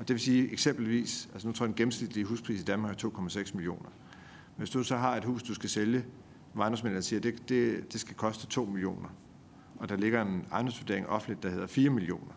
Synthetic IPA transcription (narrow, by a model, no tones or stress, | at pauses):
ɒ̽d̥e̝ʋe̝siːeɡ̥sem̰b̥l̩ʋḭːsælsənot͡sʰo̰ɐ̰d̥enɡ̥emn̩sɡ̥lid̥liɦṵːspʰʁḭːsid̥ænmɑɡ̥æt͡sʰo̝̰ːkʰɒ̽mæseɡ̥smilio̝̰ːnɐ | ʋe̝sd̥usɒ̽ɦɑ̈e̝d̥hṵːsd̥usɡ̥æseljə | mɑ̈ɪn̥ɒ̽msmen̰siːɐd̥ed̥ed̥e̝sɡ̥ækʰɒ̽sd̥ət͡sʰo̝̰ːmilio̝̰ːnɐ | ɒ̽d̥ɑ̈le̝ɡ̥ɐe̝nɑ̈ɪndɒmsʋod̥e̝ɐeŋʔɒ̽fn̩dlid̥ɑ̈he̝ð̰ˠɐfiːɐmilio̝̰ːnɐ